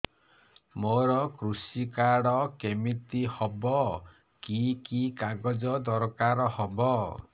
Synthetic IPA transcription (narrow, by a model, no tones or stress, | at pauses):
moɾɔkɾusikaɽɔkemit̪ihɔbɔ | kikikaɡɔd͡ʒɔd̪ɔɾkaɾɔhɔbɔ